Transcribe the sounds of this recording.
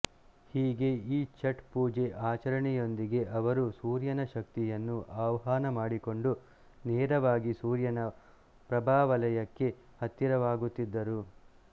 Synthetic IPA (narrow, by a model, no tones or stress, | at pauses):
hiːɡe̞iːt͡ʃɐʈpuːd͡ʒeʔaːt͡ʃɐɾɐɳɛjo̞nd̪iɡe̞ʔɐʋɐɾusuːɾjɐnɐʃɐk̚t̪ijɐnːuʔaːʋɐɦaːnɐmaːɽiko̞ɳɖu | nɛːɾɐʋaːɡisuːɾjɐnɐ | pɾɐbʱaːʋɐlɐjɐkːe̞ | hɐt̪ːiɾɐʋaːɡut̪ːid̪ːɐɾu